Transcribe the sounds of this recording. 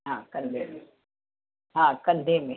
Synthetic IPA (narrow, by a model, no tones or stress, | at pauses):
ɦãːkənd̪ʱemẽ | ɦãːkə̃nd̪ʱemẽ